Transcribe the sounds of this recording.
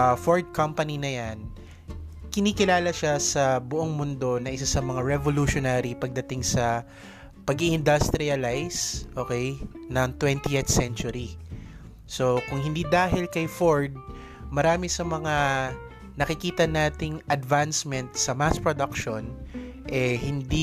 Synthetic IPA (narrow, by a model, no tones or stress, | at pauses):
foɹd̪̚kɐmpɐninɐjan | kɪnikɪlaːlɐʃasɐbʊʔoŋmʊnd̪o̞nɐʔɪsasɐmɐŋaɹɛvoluʃonaːɾipɐɡ̚d̪ɐt̪ɪŋsɐ | pɐɡiʔɪnd̪ɐst̪ɾɪɐlajsʔoːkɛjnɐŋt̪wɛnt̪iʔet̪sɛnt͡ʃʊɾi | sokʊŋhɪnd̪iːd̪aːɦɪlkɐjfoɹd̪̚ | mɐɾaːmɪsɐmɐŋa | nɐkɪkiːt̪ɐnaːt̪ɪŋʔɐd̪vansmɛnt̪sɐmaspɹod̪akʃonʔɛhɪnd̪i